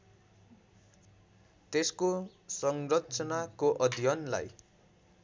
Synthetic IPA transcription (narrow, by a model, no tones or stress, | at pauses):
t̪esko | sʌŋrʌtt͡sʌnakoʔʌd̪ʱjʌnla̰j